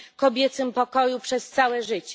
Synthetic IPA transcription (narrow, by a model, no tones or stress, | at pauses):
kɔbʲjɛt̪sɘmpɔkɔjupʂɛst̪sawɛʐɘt͡ɕ